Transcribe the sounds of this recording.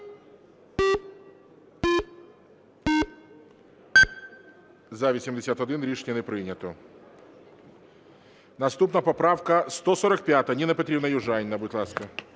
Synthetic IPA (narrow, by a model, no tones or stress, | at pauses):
zavʲɪsʲɪmdʲɪsʲat̪ɐd̪inlʲiʂnʲɪnɨpɾɨnʲɪt̪ʊ | nɐst̪upnəpɐpɾafkəst̪osoɾək̚pʲat̪ənʲɪnɐpɐt̪ɾʲibnəjʊʐajnʲnɐbuɪt̪lˠaskə